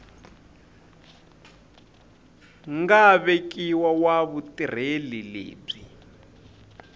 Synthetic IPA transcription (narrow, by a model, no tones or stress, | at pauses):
ŋɡaβek̬ʼiwawaβutʼir̤elilḛːb͡ʐi